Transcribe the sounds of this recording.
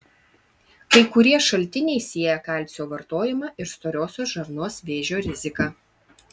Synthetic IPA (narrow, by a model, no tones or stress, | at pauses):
kɐɪkʊɾʲiɛʃɐlʲt̪ʲɪnʲɛɪsʲiɛjɛkɐlʲt̪ʲsʲoːʋɐɾt̪oːjɪmɑːʔɪɾst̪oːɾʲoːsʲoːsʒɐɾnoːsʋʲeːʒʲoːɾʲɪzʲɪkɑː